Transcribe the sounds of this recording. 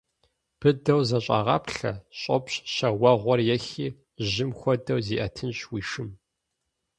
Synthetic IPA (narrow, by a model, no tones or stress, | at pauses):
b̥ɨdɐwzɐɕʼɑ̰ʁɐ̰pɬɐ̰ɕʼɔpɕɕɐwɐʁʷɔrjɛxiː | ʑɪmxʷɔdɐwziːʔɐtʰɨnɕwiːʃɨm